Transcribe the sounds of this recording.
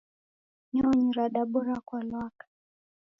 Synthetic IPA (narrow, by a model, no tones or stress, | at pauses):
ɲɔɔɲiɾaɗaɓɔɾakalwakḁ